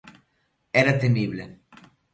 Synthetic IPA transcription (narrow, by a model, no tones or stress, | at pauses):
ɛɾat̪emiβle